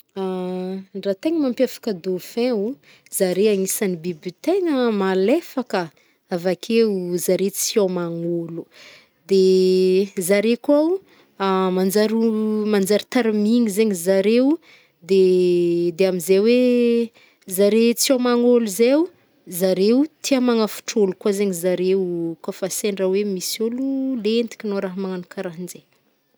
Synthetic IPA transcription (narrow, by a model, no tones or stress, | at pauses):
a | rat̪eŋəmampafḁkəd̪ofɛ̃u | z̥aɾeaŋisanibibit̪eŋəmalefakə | avakʰezaɾet͡siamaŋolu̥ | d̪e | zaɾekuaw | amand͡zaɾumand͡zaɾit̪aɾamiŋizeɲizaɾew | d̪e | d̪eamizewe | zaɾet͡siawmaŋoluzew | zaɾewt̪ʰiamaŋafu̥ʈ͡ʂolukwazeɲizaɾewkafaseɳɖ͡ʐawemisolulend̪i̥kʲinoɾaɦmaŋanukaɾaɦind͡ʒe